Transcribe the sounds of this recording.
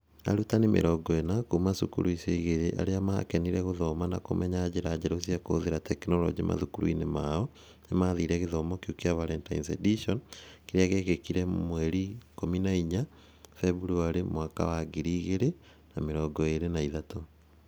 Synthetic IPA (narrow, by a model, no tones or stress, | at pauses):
a̰ɾutanemḛɾɔɡɔenakumasukṵɾuiseiɣeɾeʔa̰ɾeama̰kɛniɾɛɣoðɔmana̰ko̰mʔɛɲaːd͡ʑeɾaːd͡ʑɛɾosiakoðeɾatɛknɔlɔ̰d͡ʒimʔa̰ðukuɾṵḭnemaɔ | nemaːðiːɾɛɣeðɔmɔkjukiavaɾɛnta̰insediʃɔnkeɾeaɣeɣekiɾɛmwɛɾikominaiɲa | fɛβuɾuaɾemwaka̰waɡiɾiɣeɾe | na̰meɾɔɡɔeɾenaiðato